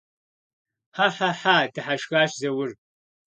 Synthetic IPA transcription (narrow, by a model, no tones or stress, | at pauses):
ħaħaħaːdɨħaʃɣaːʃzɐwʊr